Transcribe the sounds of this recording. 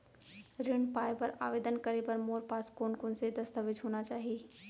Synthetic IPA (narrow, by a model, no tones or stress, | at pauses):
ɾɪɳpaːjpɐɾa̰ːʋeːd̪ənkɐɾepɐɾmoːɾpaːskoːnkoːnsed̪ɐst̪əʋɪd͡ʒɦoːnat͡ʃaːɦieː